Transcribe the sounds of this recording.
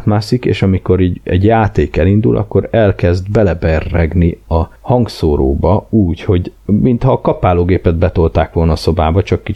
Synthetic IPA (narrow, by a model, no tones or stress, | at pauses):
t̪maːsikḛːʃɒmiko̞ɾiːɟɛ̰ɟjaːt̪eːkɛlind̪ṵlʔɒ̰kːo̞ɾɛlkɛzd̪bɛlɛbɛrːɛɡniɒhɒŋɡsoːɾo̰ːbɒuːcho̞ɟmint̪hɒːkɒpaːloːɡeːpɛd̪bɛt̪o̞lt̪aːkʋo̞lnɒːso̞baːbɒt͡ʃɒkːi